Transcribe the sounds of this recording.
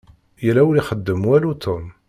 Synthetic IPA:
jəlæwəliχəd̪ːəmwælut̪ʰom

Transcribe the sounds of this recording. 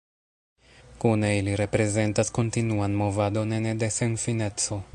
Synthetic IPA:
kune̞iliɾe̞pɾe̞ze̞ntasko̞ntinuanmo̞vado̞nenede̞se̞nfine̞t͡so̞

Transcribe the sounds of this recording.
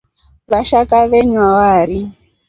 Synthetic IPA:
βaʃakaβɛɲwawaɾi

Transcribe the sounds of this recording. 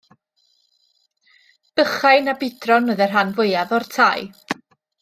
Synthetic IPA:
b̥əχajnabɪdrɔnəðɛrɦanvʊjavɔrtʰaj

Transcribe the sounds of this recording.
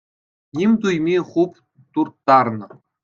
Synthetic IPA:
nimʲt̪ujmʲiχup | t̪urt̪ːɑrnɤ̆

